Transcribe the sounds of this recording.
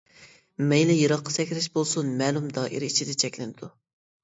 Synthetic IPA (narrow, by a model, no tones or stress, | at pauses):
mɛjlɪjɨɾɑqʰːɑ̥sɛkʲɾɪʃbolˠsunmɛːlˠumd̪ɑːʔḭɾit͡ʃʰid̪ɛt͡ʃʰɛkʲlɪnɪd̪u